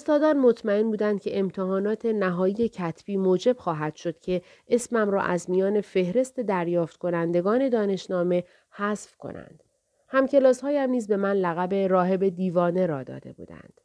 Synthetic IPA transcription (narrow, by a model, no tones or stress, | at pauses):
ost̪ɒːd̪ɒːnmo̞t̪ʰmæenbuːd̪ænd̪̥kcʰe̞ʔemt̪ʰeɦɒːnɒːt̪ʰe̞næɦɒːije̞cʰæt̪ʰb̥iːmoːd͡ʒe̞b̥xɒːɦæd̪̥ʃo̞d̪̥cʰe̞ | ʔesmæmɾɒ̰ːʔæzmijɒːne̞fe̞hɾe̞st̪e̞d̪æɾjɒːft̪̚kʰo̞nænd̪e̞ɡɒːne̞d̪ɒːne̞ʃnɒːme̞ | hæsfkʰo̰nʔæ̰nd̪̥ | hæmce̞lɒːshɒːjæmniːzbe̞mænlæɣæbe̞ɾɒːɦe̞be̞d̪iːvɒːne̞ɾɒːd̪ɒ̰ːd̪e̞̰bṵːd̪æ̰nd̪̥